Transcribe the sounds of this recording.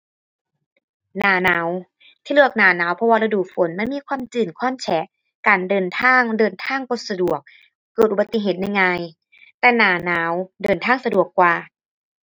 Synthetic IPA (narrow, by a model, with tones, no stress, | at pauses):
naː˨˩˦naː˩˦w | t̪ʰiː˧lɯ˥˩ək̚naː˨˩˦naː˨˦wpʰɔ˧waː˧la˧duː˨˩fo˨˦nma˧˥˨nmiː˧˥˨kʰwaː˧˥˨mt͡ɕɯː˨˩nkʰɔː˧˥˨nt͡ɕʰɛ˨˦ | kaː˨˩ndɤː˨˩nt̪ʰaː˧˥˨ŋdɤː˨nt̪ʰaː˧˥˩ŋko˧˦sa˧du˨˩ək̚ː | ɤː˨˩t̪ʔu˨˧ba˧t̪ːi˧˨ɦeː˧˨˩t̪̚na˧˨jŋaː˧j | t̪ɛː˧˩naː˨˩˦naː˨˩˦wdɤː˨˩nt̪ʰaː˧˥˨ŋsa˧du˨˩əkːwaː˧